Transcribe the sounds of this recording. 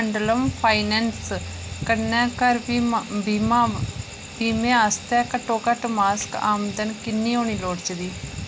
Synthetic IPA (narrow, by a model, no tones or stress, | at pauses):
əɳɖləmpʰaːinɛːns | kənːɛ̃ːkəɾ | a | biːmẽːaːst̪ɛːkəʈːoːkəʈmaːska̰ːmd̪ənkɪnːiːɦoːniːloːɽt͡ʃd̪iː